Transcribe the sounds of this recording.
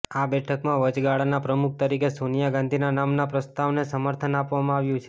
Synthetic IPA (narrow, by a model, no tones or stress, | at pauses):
abɛʈʰəkmãʋəd͡ʒɡaɭanapɾəmuk̚ʰt̪əɾikesonijaɡãnd̪ʱinanamnapɾəst̪aʋnesəməɾt̪ʰənapʋamãaʋjũt͡ʃʰe̥